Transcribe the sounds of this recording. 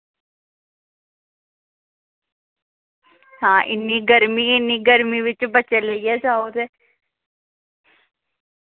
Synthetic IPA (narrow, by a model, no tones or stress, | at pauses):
hãːʔɪ̰nːiːɡəɾmiɪnːiːɡəɾmiʋɪt͡ʃbət͡ʃːeləijad͡ʒaːod̪e